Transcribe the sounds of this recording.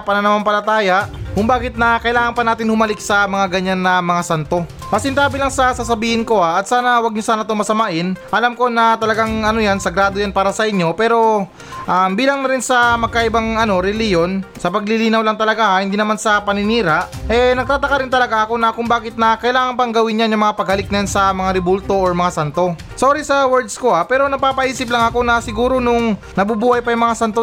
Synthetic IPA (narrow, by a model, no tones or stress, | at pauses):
pɐnɐnɐmampɐlɐt̪aːjaʔkʊŋbaːɡɪt̪̚nɐkɐʔɪlaːŋɐnpɐnaːt̪ɪnhʊmɐlɪk̚sɐmɐŋaɡɐɲːanːɐmɐŋasant̪o̞ | mɐsɪnt̪aːbɪlaŋsɐsas̬ɐbiːhɪnko̞ʔaʔɐt̪̚saːnɐwɐɡ̚ɲosaːnɐt̪ʊmɐsɐmaʔɪnʔɐlamko̞nɐt̪ɐlɐɡaŋʔɐnojansɐɡɾaːd̪o̞janpaːɾɐsɐʔɪɲjo̞pɛːɾo̞ | ʔambiːlɐŋnɐɾɪnsɐmɐɡ̚kaʔɪbaŋɐno̞ɾɛlɪjo̞nsɐpɐɡ̚lɪliːnɐwlɐŋt̪ɐlɐɡahɪnd̪iːnɐmansɐpɐnɪniːɾaʔʔɛnɐɡ̚t̪aːt̪ɐkɐɾɪnt̪ɐlɐɡaʔɐko̞nɐkʊŋbaːkɪt̪̚nɐkɐɪlaːŋɐnpɐŋɡɐwɪnjanjʊŋmɐŋapɐɡhɐlɪk̚nɐjansɐmɐŋaɾɪbult̪o̞ʔoɹmɐŋasant̪o̞ | soːɾisɐwɛɹd̪sko̞ʔapɛːɾo̞nɐpaːpɐʔiːsɪp̬lɐŋɐko̞nɐsɪɡuːɾo̞nʊŋ | nɐbubuːhɐjpɐjʊŋmɐŋasant̪o